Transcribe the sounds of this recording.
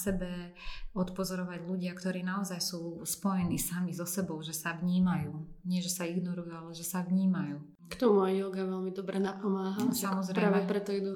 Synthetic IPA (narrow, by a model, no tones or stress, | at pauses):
sɛbɛ | ɔt̪pɔzɔɾɔʋaɟluɟɪakt̪ɔɾiːnaɔzajsuːspɔjɛniːsamizɔsɛbɔʊʒɛsaʋɲiːmajuːɲɪɛʒɛsaiɡnɔɾujualɛʒɛsaʋɲiːmajuː | kt̪ɔmuajjɔɡaʋɛlmid̪ɔbɾɛnapɔmaːɦaaamɔzɾɛɾaːʋɛpɾɛt̪ɔid̪u